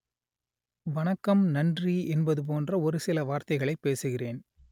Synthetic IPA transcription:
ʋɐnɐkːɐmnɐndriɛnbɐðɯp̬oːndrɐɔɾɯsɪlɐʋaːɾt̪ɐɪɣɐɭɐɪpːeːsɯɣɪreːn

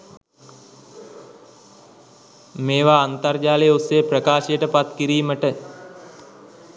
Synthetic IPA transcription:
meːʋaːnt̪ard͡ʒaːlejosːejəprəkaːʃejəʈəpat̪kiɾiːməʈə

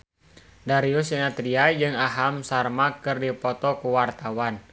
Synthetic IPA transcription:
daɾiusinat̪ɾiad͡ʒɨŋaɦamsarmakɨrdipɔt̪ɔkuwart̪awan

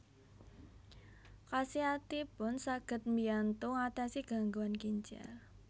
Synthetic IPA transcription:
kasiat̪ipʊnsaɡ̥ə̤t̪̚miant̪ʊŋat̪asiɡ̥a̤ŋɡuankiɲt͡ʃa̰l

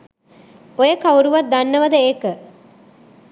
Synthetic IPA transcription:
ojəkauɾuʋat̪̚d̪anːəʋɐd̪əeːkə

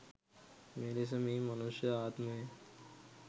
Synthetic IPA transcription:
meːɾes̬ɐmĩːmɐnuʃjəaːt̪mɦe

